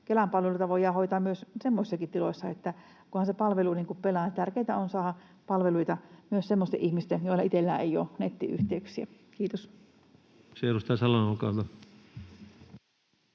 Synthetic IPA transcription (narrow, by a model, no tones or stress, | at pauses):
kelɑmpɑlʋelut̪ɑʋojɑhoit̪ɑːmyøssemːosisːɑkit̪ilosːɑet̪ːæ | kuhɑnsepɑlʋeluniːŋkuppelɑnt̪ærkeˑit̪æonsɑːhɑ | pɑlʋeluit̪ɑmyøssemːost̪eʔihmist̪ejoˑilːɑit̪elːæ̰ːeio̰ːnet̪ːiʔy̰ht̪eyksiæ | kiːt̪os | seerust̪æsɑlɑnolkɑˑut̪ɑ